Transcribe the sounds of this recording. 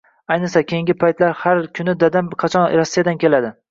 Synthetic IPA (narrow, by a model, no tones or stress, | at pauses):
ajnɨsakʲʰejɪŋɡʲɪpʰajt̪laɾhaɾkʰʊnɪd̪ad̪anqʰɑt͡ʃʰɒnɾasːijad̪ankʲʰe̞lad̪ɪ